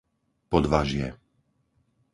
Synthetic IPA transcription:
pɔd̪ʋaʒɪɛ̰

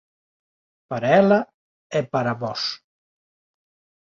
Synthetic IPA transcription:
pəɾɛla | epaɾaβɔs

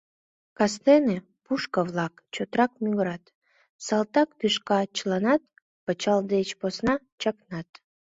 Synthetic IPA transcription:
kɑst̪ene | puʃkəvlɑkt͡ɕot̪ɾɑk̚mʲyɣɾɑt̪ | sɑlt̪ɑkt̪yʃkɑt͡ɕəlɑnɑt̪̚ | pət͡ɕɑld̪et͡ɕposnɑ | t͡ɕɑknɑt̪

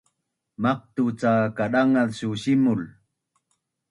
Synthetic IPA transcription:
maq̚t̪ut͡saːkaɗaŋalsuɕimʊl

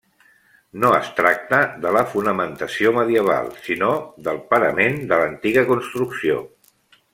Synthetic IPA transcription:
noə̰st̪ɾak̚t̪əðələfunəmənt̪əsioməðiəβ̞a̰lˠsinoðəlˠpəɾəmend̪ələnt̪iɣəkunst̪ɾuksio̰

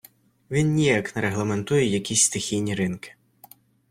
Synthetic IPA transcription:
ʋʲinnʲijaknɐɾeɦlˠɐme̞nt̪ujɛjɐkʲisʲst̪ɪxʲijnʲiɾɪnkɪ̥

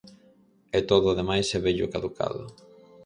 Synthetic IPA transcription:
ɛt̪oðʊːðemajsɛβeʎʊkaðukʰa̰ðʊ̰

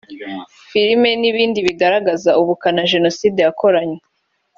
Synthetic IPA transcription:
fiɾime̞niβiːndiβiɡaɾaɡazauβukanaʒe̞no̞siːdejako̞ɾaɲe

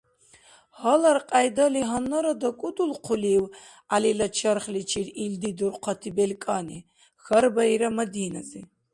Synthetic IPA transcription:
hɔlaɾqʼajd̪aliɦanːɔɾad̪akʼud̪ulqʰuliw | alilat͡ʃʰaɾχlit͡ʃʰiɾild̪id̪uɾqʰɔt̪ʰibɛlkʼani | xɐɾbaiɾamɐd̪ina̰zi

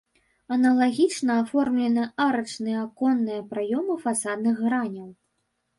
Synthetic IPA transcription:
ɐnɐlˠaɣʲit͡ʂnɐafɔrmlʲɛnɨʔaɾɐt͡ʂnɨjɐakɔnːɨjɐpɾajɔmɨfasad̪nɨɣːɾanʲɐw

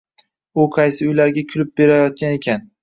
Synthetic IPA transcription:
ʊqʰɑjsɪʊjlaɾɡʲakʲʰʊlɪp̚be̞ɾajɒt̪̚kʲane̞kʲan

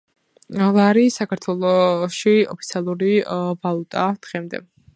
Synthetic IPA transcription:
laɾisakʰaɾt̪ʰwɛlˠɔʃiɔpʰit̪sʰialˠuɾivalˠut̪ʼad̪̥ʁɛmd̪ɛ̰

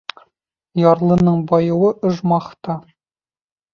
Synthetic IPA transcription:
jɑɾlˠɤ̆nɤɴbɒjɤ̆wɤʔɤ̆ʒmɑχt̪ɑ

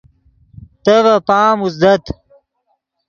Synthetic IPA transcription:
t̪ɐvɐpaːmuzd̪ɐt̪

